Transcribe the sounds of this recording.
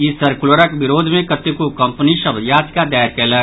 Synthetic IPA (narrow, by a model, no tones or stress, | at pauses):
isɐɾkʊloɾəkbɪɾoːd̪ʱmẽkɐt̪ekukɐmpniʃɐbjaːtkad̪aːɾkeːlə